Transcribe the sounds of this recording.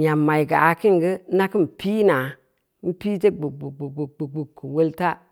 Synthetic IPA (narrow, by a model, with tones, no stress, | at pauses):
ja˨mːa˨i˨ɡaː˨ki˦ŋ˨ɡə˦na˦ki˦m˨piː˦na˨ | m̩˦pi˦te˦ɡ͡bu˨ɡ͡bu˨ɡ͡bu˨ɡ͡bu˨ɡ͡bu˨ɡ͡bu˨kːu˨wo˦lta˦